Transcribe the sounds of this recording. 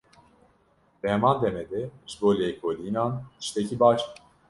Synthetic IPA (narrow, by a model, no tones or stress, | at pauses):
bɛmand̪emed̪ɛisbolʲekʰolinani̥ʃt̪ʰecʰibat͡ʃ